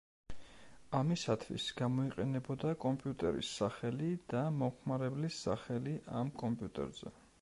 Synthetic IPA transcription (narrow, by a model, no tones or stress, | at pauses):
amisat̪ʰvḭsɡ̥amɔiqʼɛnɛbɔd̪akʼɔmpʼjut̪ʼɛ̰ɾḭsːaχɛlid̪̥amɔmχmaɾɛblisːa̰χɛliʔamkʼɔmpʼjut̪ʼɛ̰ɾz̥ɛ̰